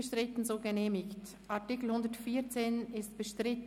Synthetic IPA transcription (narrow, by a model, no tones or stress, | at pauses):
əʃtʁ̥ɪtn̩zoːɡəneːmɪçt | ʔaɐtikl̩hʊndətfiːt͡seːnɪstb̥əʃtʁɪt